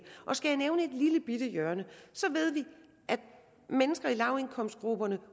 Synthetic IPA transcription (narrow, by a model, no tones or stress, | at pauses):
ʔɒ̽sɡ̥æjaneʊnəe̝d̥liləb̥id̥əjɶɐnəsɒ̽ʋe̝ð̰ˠʋi | ʔæd̥̚ | menəsɡ̥ɐilɑ̈ʊe̝nkʰɒ̽m̰sdɡ̥ʁub̥ɐnə